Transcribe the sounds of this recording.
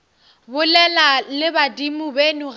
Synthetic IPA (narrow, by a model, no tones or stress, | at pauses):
bʊlɛlalɪbadimʊbenuɣ